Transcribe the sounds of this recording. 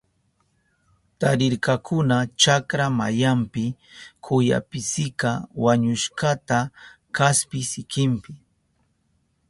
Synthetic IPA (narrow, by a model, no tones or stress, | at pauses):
t̪aɾɪɾkakʊnat͡ʃakɾamajampɪ | kʰʊja̰pɪsɪkawaɲʊʃkat̪a | kaspɪsɪkɪmpɪ